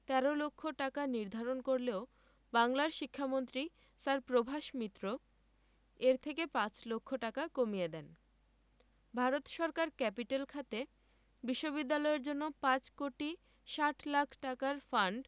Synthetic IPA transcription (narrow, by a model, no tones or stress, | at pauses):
t̪ɛɾolokʰːoʈakaniɾd̪ʱaɾonkoɾleo | baŋlaɾʃikʰːamont̪ɾi | saɾpɾobʱaʃmit̪ːɾo | eɾt̪ʰekepãt͡ɕlokʰːoʈakakomied̪ɛn | bʱaɾot̪ʃɔɾkaɾkɛpiʈalkʰat̪e | biʃːobid̪ːalɔeɾd͡ʑonːopãt͡ɕkoʈi | ʃaʈʰlakʰʈakaɾfaɳɖ